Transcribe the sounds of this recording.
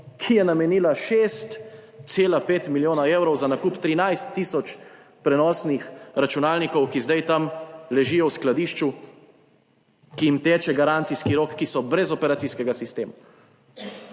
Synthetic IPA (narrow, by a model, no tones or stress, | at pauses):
kʰijɛnamɛniːlaʃeːst̪seːlapeːt̪miljoːnaeːwɾɔwzanakuːpt̪ɾinajst̪ːiːsɔt͡ʃ | pɾɛnɔːsnixɾat͡ʃunaːlnikɔwkizd̪ajt̪amlɛʒiːjɔwsklad̪iːʃt͡ʃu | kijimt̪eːt͡ʃɛɡaɾant̪siskiɾoːkːisɔbɾɛzɔpɛɾat̪siskɛɡasist̪eːma